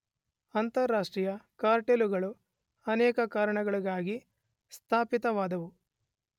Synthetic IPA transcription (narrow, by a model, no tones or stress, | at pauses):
ɐnt̪ɐɾːaːʂʈɾiːjɐkaːɾʈeluɡɐɭu | ɐnɛːkɐkaːɾɐɳɐɡɐɭiɡaːɡi | st̪ʰaːpit̪ɐʋaːd̪ɐʋu